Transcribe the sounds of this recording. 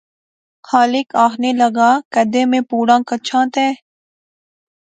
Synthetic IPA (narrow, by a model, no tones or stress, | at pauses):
xaːlɪkaːxʰneːləɡaːkəd̪ẽːmẽːpuːɽãːkət͡ʃʰãːt̪ɛː